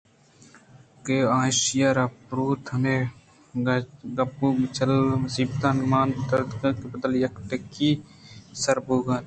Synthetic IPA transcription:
keãːʃjaːɾaːpɾuːt̪ʰɐne | ɡɐpːubt͡ʃɐlmɐsiːbt̪ãːnmaːnt̪ɐɾd̪kãkebəd̪əljɐkʈ̪ekisɐɾbuːɡaːn

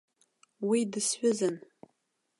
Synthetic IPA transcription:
widɨsħʷᶣʊzɨn

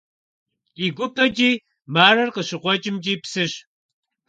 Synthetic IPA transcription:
iɡʷʊpʰʼɐt͡ʃʼiː | maːrɐrqəɕɨqʷɔt͡ʃʼɪmt͡ʃʼiːpsɨɕ

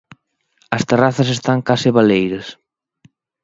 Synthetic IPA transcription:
ɐst̪eraθɐs̬est̪aŋkasɪβalejɾɐs

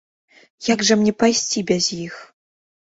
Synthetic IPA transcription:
jaɡʐɐmnʲɛpajsʲt͡sʲibʲɛzjix

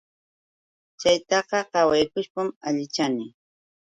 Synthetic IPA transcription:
t͡ʃajt̪ɑqɑqɑwajkʊʃpamaʎɪt͡ʃanɪ

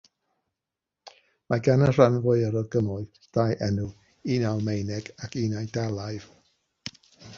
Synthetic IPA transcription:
maɡanər̥anvʊɨəɾɔɡəmʊɨð | d̥ajʔɛnu | inawˠmejnɛɡakʰinajdalˠajv̥

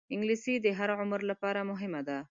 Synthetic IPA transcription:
ɪŋɡlisid̪əɦaɾʕʊməɾlapɑɾamʊɦɪmad̪a

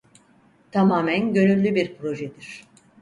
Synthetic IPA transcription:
t̪ʰamaːmænɟø̞nylʲːybiɾpɾo̞ʒɛd̪iɾ̥

